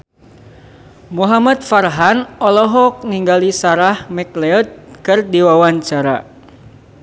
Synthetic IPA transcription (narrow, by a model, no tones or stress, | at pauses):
muɦamat̪̚farɦanɔlɔɦɔk̚niŋɡalisaɾahmɛklɛɔt̪̚kɨrdiwawaɲt͡ʃaɾa